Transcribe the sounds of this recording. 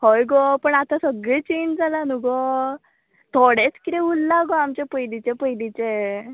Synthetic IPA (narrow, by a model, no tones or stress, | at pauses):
hɔjɡɔpəɳat̪asəɡɭet͡ɕend͡ʑd͡zalanuɡɔ | t̪ʰoɽet͡skit̪ɛulːaɡɔamt͡ɕepəjlit͡ɕepəjlit͡ɕe